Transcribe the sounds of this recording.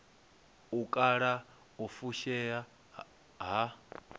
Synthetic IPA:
ukʼaɺa | ufuʃɛja | ɦa

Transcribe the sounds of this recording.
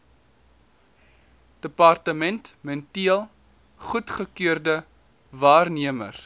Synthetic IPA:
d̥əpɐrtəmɛntmɛntiəlˠ | χutχəkyərdə | vɑːrniəmə̰r

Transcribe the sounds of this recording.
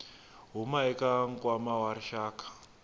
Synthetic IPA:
ɦumaɛkaŋ̩kʼwamawaɾiʃaːkḁ

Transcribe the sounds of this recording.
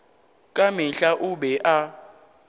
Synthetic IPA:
kʼamɪɬaʔʊɓɛʔa

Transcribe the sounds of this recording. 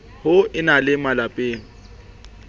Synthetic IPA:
hʊɪnalɪmalapʼeːŋ̩

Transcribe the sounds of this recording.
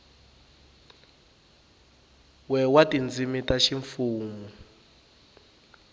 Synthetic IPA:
wɛwatʼind͡zimitʼaʃiɱfuːmu

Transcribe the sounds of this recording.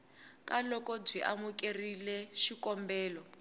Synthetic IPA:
kalɔkɔb͡ʐwiʔa̰mukerilɛʃikɔmbɛːlɔ

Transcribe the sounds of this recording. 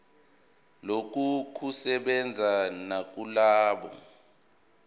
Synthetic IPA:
lok̬ukʰusɛɓɛnd͡zʱanak̬ulaːɓɔ̰

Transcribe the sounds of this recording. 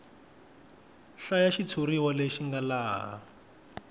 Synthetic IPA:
ɬajaʃit͡sʰuɾiwaleʃiŋɡalaːɦa̰

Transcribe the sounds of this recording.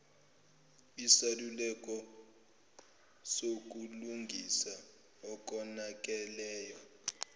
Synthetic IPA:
isalulɛk̬ʼɔ | sok̬ʼuluŋɡʱisa | ɔk̬ʼɔnak̬ʼɛlɛːjwa

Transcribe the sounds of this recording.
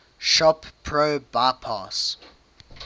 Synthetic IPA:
ʃɔppʰɹobaɪpʰɑs

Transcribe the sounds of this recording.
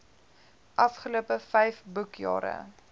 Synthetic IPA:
ʔɐfχəluəpəfɛjfbukjɑ̰ːɾə̰

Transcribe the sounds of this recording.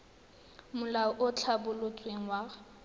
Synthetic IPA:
mʊlaʊʔʊt͡ɬʰabʊlʊt͡sʼweŋ̩wa

